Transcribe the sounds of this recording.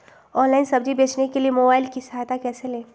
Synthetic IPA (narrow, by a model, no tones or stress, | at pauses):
ɔ̃ːnlaɪnsɐbd͡ʒibeːt͡ʃnekeliemoːbaːɪlkisɐɦajt̪akɛːselẽː